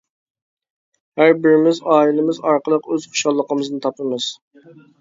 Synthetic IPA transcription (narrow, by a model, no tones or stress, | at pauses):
hæɾbɪɾɪmɪzɑːilˠɪmɪzɑɾqəlˠəqøz̥χʰo̥ʃɑlˠːəqəmɨznɨt̪ʰɑpɨmɨz̥